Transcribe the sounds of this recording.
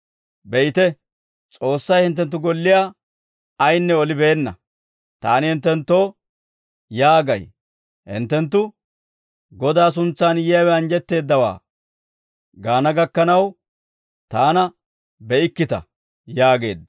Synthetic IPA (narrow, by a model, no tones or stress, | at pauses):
bɛɪt̪ɛ | t͡sʼo̞ːsːɐjhɪnt̪̬ːɛnt̪̬ːʊɡɔlːɪjaː | ɐjnːɛɔlɪbe̞ːnːɐ | t̪aːnɪhɪnt̪ːɛnt̪ːo̞ː | jaːɡɐj | hɪ̰nt̪ːɛnt̪ːʊ | ɡɔd̪aːs̬ʊnt͡sːaːnjɪjɐwɛɐnd͡ʒɛt̪ːe̞ːd̪ːɐwa̰ː | ɡaːnɐɡɐkːɐnɐw | t̪aːnɐ | bɛɪkːɪt̪ɐ̰ | jaːɡe̞ːd̪ɐ